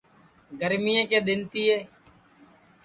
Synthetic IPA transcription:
ɡəɾmijẽːkeːɗ̪ɪnt̪iːɦeː

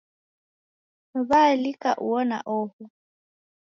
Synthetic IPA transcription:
balikʼaʔuɔna̰ʔɔːhʊ

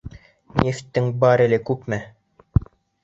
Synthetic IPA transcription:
nʲeft̪ːɘŋbɑɾɘ̆lɘkʉpmæ

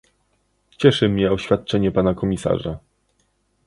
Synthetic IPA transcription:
t͡ɕɛʂɘmɲɛɔɕfʲjat̪̚t͡ʂɛɲɛpanakɔmʲisa̰ʐa

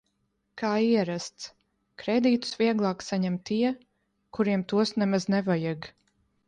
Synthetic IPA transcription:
kaːiɛɾast̪s | kɾed̪iːt̪u̥svʲiɛɡlˠɑːksaɲɛmt̪iɛ | kuɾiɛmt̪uɔsnɛmaznɛvajaɡ

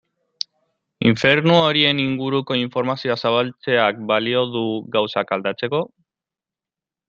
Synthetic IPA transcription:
iɱfe̞ɾnuoɾie̞niŋɡuɾuko̞iɱfo̞ɾmasioasaβ̞alt͡se̞ak̚balio̞ðuɡawsakald̪at͡se̞ko̞

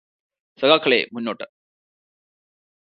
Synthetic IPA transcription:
sɐɣaːkʰːɐɭḛmunːoːʈːɨ̥

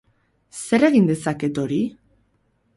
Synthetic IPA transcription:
se̞ɾe̞ɣind̪e̞sake̞t̪o̞ɾi

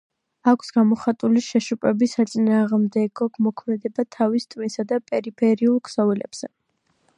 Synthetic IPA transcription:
akʷʰsɡ̥amɔχat̪ʼuliʃɛʃupʼɛbisat̪sʼinaːʁmd̪ɛɡɔɡmɔkʰmɛd̪ɛbat̪ʰavist̪ʼminsad̪apʼɛɾipʰɛɾiulˠkʰsɔvɛlɛ̰b̥z̥ɛ

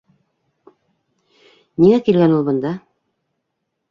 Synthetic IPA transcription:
niŋækilɡænulˠbɤ̆nd̪ɑ

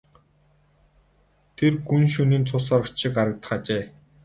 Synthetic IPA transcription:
t̪ʰerɡunʃɵniːnt͡sʰʊsɔɾə̆kt͡ɕʃɪ̆kaɾə̆k̚t̪ə̥̆χat͡ɕeː

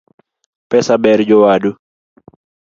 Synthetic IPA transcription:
pɛsabɛɾd͡ʒɔwadu

